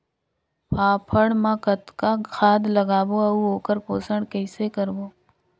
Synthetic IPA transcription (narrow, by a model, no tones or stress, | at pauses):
pʰaːpʰəɽmãːkət̪kakʰaːd̪ləɡaːboːɐuoːkəɾpoːsəɳɽkəɪsekəɾboː